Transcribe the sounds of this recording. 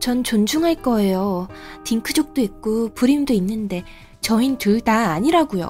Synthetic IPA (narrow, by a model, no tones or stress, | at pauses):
t͡ɕʌnt͡ɕond͡ʑʰuŋɦaɭk͈ʌe̞jotiŋkʰɯd͡ʑʌk̚t͈oik̚k͈opuɾimdoinːɯnde̞ | t͡ɕʌintuɭdaːɲiɾaɡujo̰